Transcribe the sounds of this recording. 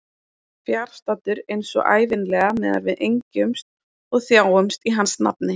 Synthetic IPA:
fjaɾ̥st̪at̪ʏɾejnsɔ̰ɣʔa̰ːjvɪnlɛɣamɛːða̰ɾvɪðʔejɲcʏmst̪̚ | ɔɣθjaːwʏmst̪iɦansna̰p̚nɪ

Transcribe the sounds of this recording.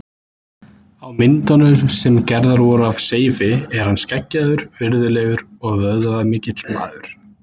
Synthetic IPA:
awmɪnt̪anʏsɛmcɛɾðaɾvɔːɾaːvseːjvɪɛɾ̥hanːscɛcːaðʏɾvɪɾðʏlɛːɣʏɾɔɣvœððaðaðmɪːcɪt̪ʰlma̰ːðʏɾ̥

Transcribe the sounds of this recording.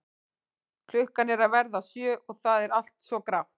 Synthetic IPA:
kʰl̥ʏhkanɛɾavɛɾðasjœːʔɔɣθaðɛɾal̥t̪svɔkɾawht̪

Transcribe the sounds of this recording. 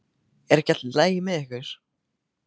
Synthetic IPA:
ɛɾɛhcat̪llaːjɪmɛðɛhkɪɾ̥

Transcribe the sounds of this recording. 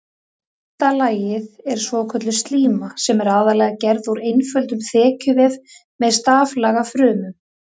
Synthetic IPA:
t̪alaːjɪðɛɾ̥svɔkʰœt̪lʏst̪liːmasɛmɛɾaːðalɛɣacɛɾðuɾejnfœlt̪ʏmθɛːcʰʏvɛv | mɛðst̪aːvlaɣafɾʏːmʏm

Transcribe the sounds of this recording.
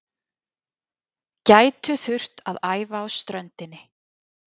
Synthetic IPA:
caːjt̪ʏθʏr̥t̪aðaːjvaːwst̪ɾœnt̪ɪnːɪ

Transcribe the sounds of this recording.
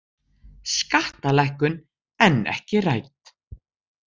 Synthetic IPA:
skaht̪alɛhkʏn | ɛnːɛ̰hcɪrajt̪

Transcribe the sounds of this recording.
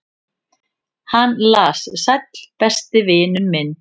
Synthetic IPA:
hanːlaːssajt̪l̥pɛst̪ɪvɪːnʏmmːɪnː

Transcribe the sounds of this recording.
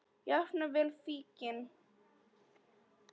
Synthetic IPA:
jafnavɪlfiːcɪn

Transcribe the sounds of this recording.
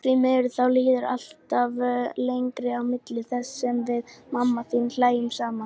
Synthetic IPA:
θvimɛːɾθawliːðɪɾa̰l̥t̪avlejŋkɾɪawmɪt̪lɪθɛsːɛmvɪðmamːaθinlaːjɪmsaːma

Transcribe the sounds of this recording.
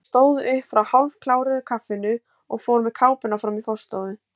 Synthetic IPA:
st̪oːwðɪhfɾawhalv̥kʰlaːwɾɪðʏkʰafɪnʏ | ɔɣfoːwɾmɛ̥kʰaːwpɪnafɾamifɔ̥st̪owðʏ

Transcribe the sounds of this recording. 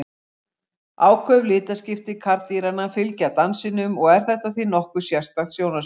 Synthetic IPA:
aːwkʰvœvlɪːt̪ascɪft̪ɪkʰaɾt̪iɾanafɪlcat̪ansɪnʏmɔɣɛɾ̥θɛht̪aθinɔhkʏ̥sjast̪aðsjownas

